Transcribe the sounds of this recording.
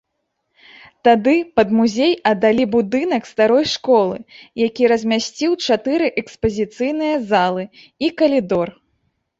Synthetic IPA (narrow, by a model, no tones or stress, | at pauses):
t̪ad̪ɨpɐd̪muzʲejɐd̪alʲibud̪ɨnɐkst̪aɾɔjʂkɔlˠɨjakʲiɾɐzʲmʲasʲt͡sʲiwt͡ʂat̪ɨɾɨʔɛkspɐzʲit̪sɨjnɨjɐzalˠɨ | ikɐlʲid̪ɔr